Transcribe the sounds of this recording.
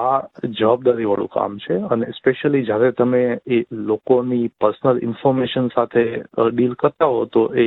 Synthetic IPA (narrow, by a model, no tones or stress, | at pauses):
ad͡ʒəʋab̚d̪aɾiʋəɭṵ̃ka̰mt͡ʃʰeənespeʃəlid͡ʒjaɾet̪əmẽelokonipəɾsnəlɪ̰nfɔɾmeʃənsat̪ʰeəɖilkəɾt̪aɦot̪oʔe